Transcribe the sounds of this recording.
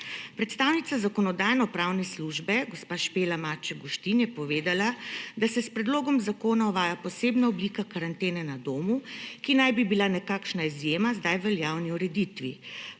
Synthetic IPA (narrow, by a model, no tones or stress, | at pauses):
pɾɛt̪st̪aːwnit̪sazakɔnɔd̪ajnɔpɾaːwnɛsluʒbɛɡospaːʃpeːlamaːt͡ʃɛɡɔʃt̪injɛpɔʋeːd̪alad̪asɛspɾɛd̪loːɡɔmzakoːnaɔʋaːjapɔseːbnaɔbliːkakaɾant̪eːnɛnad̪oːmukinajbibilanɛkaːkʃnaizjeːmazd̪ajʋɛljawniuɾɛd̪it̪ʋi